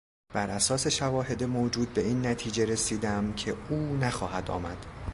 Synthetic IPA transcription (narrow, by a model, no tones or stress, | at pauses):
b̥æɾʔæsɒːse̞ʃævɒːɦe̞d̪emod͡ʒuːd̪̚be̞iːnːæt̪ʰiːd͡ʒe̞ɾe̞siːd̪æmcʰe̞uːnæxɒ̰ːhæd̪ɒ̰ːmæd̪̥